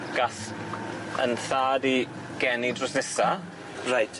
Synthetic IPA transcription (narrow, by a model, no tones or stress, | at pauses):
ɡ̥as | ə̰nθaːdi | ɡ̥ɛnidrʊsnɛsa | rajtʰ